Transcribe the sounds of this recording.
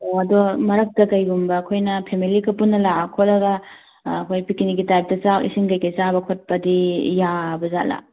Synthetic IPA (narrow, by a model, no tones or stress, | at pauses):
oɐdomɐɾɐk̚tɐkɐjɡumbɐːkʰojnɐpʰemilikɐpunːɐlakʰolɐɡɐː | kʰojpikiniɡitajp̚tɐt͡ʃawʔḭsiŋkɐjkɐjsabɐkʰot̚pɐdijabɐza̰tla̰